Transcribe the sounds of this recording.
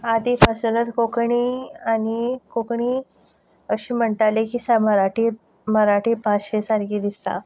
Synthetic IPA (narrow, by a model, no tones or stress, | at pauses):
ad̪ifasunət̪kokɳianikokɳiː | əɕiːm̤əɳʈ̪alekiːsaməɾaʈi | məɾaʈiːpãɕesaɾkid̪ist̪a̰